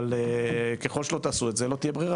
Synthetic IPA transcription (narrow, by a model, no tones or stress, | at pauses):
lekeχo̞lʃelot̪aːsuetzelo̞t̪ijebʁiʁa